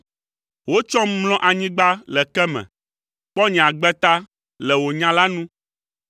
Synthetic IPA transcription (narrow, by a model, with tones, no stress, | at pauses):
wo˦t͡ʃɔ̃˦m˦lɔ̃˦ʔa˨ɲĩ˦ɡ͡ba˦lɛ˨kɛ˦mɛ̰̃˨ | k͡pɔ˦ɲɛ̃˨a˨ɡ͡bɛ˦t̪a˦ | lɛ˨wo˨ɲã˦la˦nũ˦